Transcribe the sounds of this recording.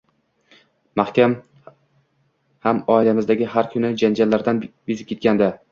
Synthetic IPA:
mahkʲam | hamɒɪlamɪzd̪aɡʲɪhaɾkʲʰʊnɪd͡ʒand͡ʒalːaɾd̪anjʊzɪp̚kʲʰe̞t̪kʲand̪a

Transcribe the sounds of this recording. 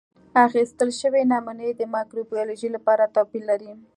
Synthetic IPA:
axist̪əlʃəwenɑmunəjd̪əmɑkɾobijoloʒilapɑɾat̪ɑpilaɾi

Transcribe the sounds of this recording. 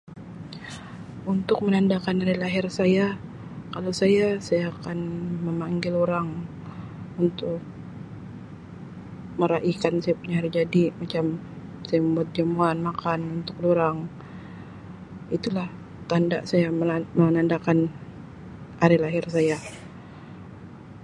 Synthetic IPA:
unt̪ʊk̚mənandakanaɾilaɦɪrsaja | kalowsajasajaːkanməmaŋɡɪloɾaŋ | unt̪ʊk̚ | məɾaʔikansajapuɲahaɾid͡ʒadimat͡ʃam | sajaməmbuat̪̚d͡ʒamuanmakanunt̪ʊk̚doɾaŋ | it̪ulah | t̪andaʔsajaməamənandakan | ʔaɾilaɦɪrsaja

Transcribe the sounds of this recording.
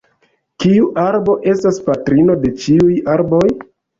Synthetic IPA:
kiuʔaɾbo̞ʔe̞staspatɾino̞de̞t͡ʃiujaɾbo̞j

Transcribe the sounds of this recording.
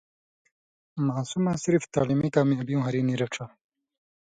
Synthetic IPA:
maːsumasiɾift̪aːlimikaːmiɐbiũɦɐɾiːniɾɐʈ͡ʂʰa

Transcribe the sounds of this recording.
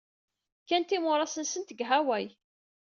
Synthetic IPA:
kænt̪imʊɾˤɑsənsənt̪əɡɦæwæj

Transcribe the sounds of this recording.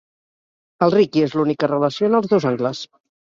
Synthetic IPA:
əlˠrikiezlunikərələsionəlˠzðɛwzaŋɡləs

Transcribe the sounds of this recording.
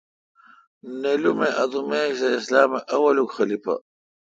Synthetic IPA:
nelumeʔɐt̪umekseislaːmeʔɐwɐlukxɐlipa̰

